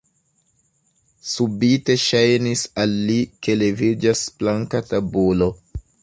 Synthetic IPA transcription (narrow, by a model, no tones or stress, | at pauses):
subite̞ʃajnisalːike̞le̞vid͡ʒasblaŋkatabulo̞